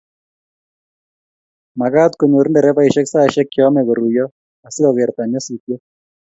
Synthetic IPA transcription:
ma˨ɣa˦t̪ko˨ɲo˨ɾndɛ˨ɾɛ˦pa˦i˨ʃɛ˦ksa˦ʃɛ˦kːjɔ˦mɛ˨ɡɔ˨ɾu˨jɔ˦ | a˨sɪ˦ɔ˨ɣɛ˨ɾt̪a˨ɲɔ˦si˨tjɔ˦

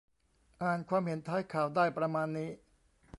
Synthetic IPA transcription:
ʔaː˨˩nkʰwaː˧mhe˩˦nt̪ʰaː˦˥jkʰaː˨˩wdaː˥˩jpɾa˧maː˧nːiː˦˥

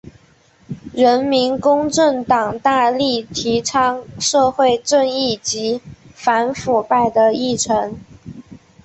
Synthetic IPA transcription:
ɻə˧˥nmi˧˥nkʊ˥ŋʈ͡ʂə˥˩ŋt̪ɑ˨˩ŋt̪a˥˧li˥˩t̪ʰi˧˥ʈ͡ʂʰɑ˥ŋʂɤ˥˧xwe˥˧ɪʈ͡ʂə˥˧ŋi˥˩t͡ɕi˧˥fa˧˥nfu˨˩pa˥˩ɪd̪ə˩i˥˩ʈ͡ʂʰɤ˧˥ŋ

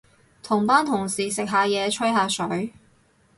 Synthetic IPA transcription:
t̪ʰʊ˨˩ŋpaː˥nt̪ʰʊ˨˩ŋsiː˨sɪ˨k̚ɦaː˨˧jɛː˨˧t͡ʃʰɵ˥jɦaː˧sɵ˨˥ɥ

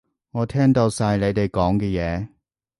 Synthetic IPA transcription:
ŋɔː˨˧t̪ʰɛː˥ŋt̪o˧wsaː˧jle˨˧jt̪e˨jkɔː˨˥ŋkɛː˧jɛː˨˧

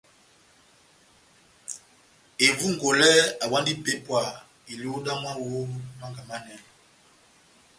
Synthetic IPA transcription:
e˨vu˦ŋ˨ɡo˨lɛ˦a˨wa˦ndi˦be˨˦pwa˨ | i˨li˦o˦da˦mwa˦wo˦˨ma˦ŋɡa˨ma˦nɛ˨n˨

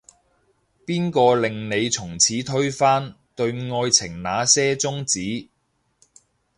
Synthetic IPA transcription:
piː˥nkɔː˧lɪ˨ŋne˨˧jt͡sʰʊ˨˩ŋt͡sʰiː˨˥t̪ʰɵ˥ɥfaː˥n | t̪ɵ˧ɥŋɔː˧jt͡sʰɪ˨˩ŋnaː˨˧sɛː˥t͡sʊ˥ŋt͡siː˨˥

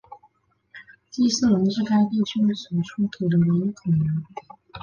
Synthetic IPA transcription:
t͡ɕi˥sɹ̩˥˩lə˧˥nʈ͡ʂɻ̩˥˧ka˥ɪt̪i˥˩t͡ɕʰy˥˩swɔ˨˩ʈ͡ʂʰu˥t̪ʰu˨˩d̪ə˦we˧˥ɪi˧˥kʰɤ˨˩na˧˥ŋ

